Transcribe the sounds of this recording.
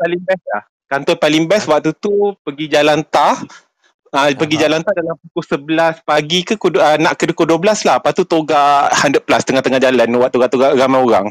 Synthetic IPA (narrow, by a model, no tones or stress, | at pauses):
paliŋbɛslah | kant̪ɔnpaliŋbɛswaʔ̚t̪ut̪upəɡid͡ʒalant̪a | əpəɡid͡ʒalant̪adalampukʊhsəbəlaspaɡikukuənãʔkədukoduabəlaslahpat̪ut̪oɡahandəplast̪əŋaht̪əŋad͡ʒalanwaʔt̪oɡaʔt̪oɡaɾamajoɾa̰ŋ